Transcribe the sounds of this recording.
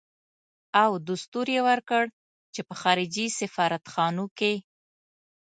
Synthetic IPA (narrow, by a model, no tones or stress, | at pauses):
awd̪ʊst̪uɾjewəɾkəɽ | t͡ʃepəxɑɾɪd͡ʒisɪfɑɾat̪xɑnoke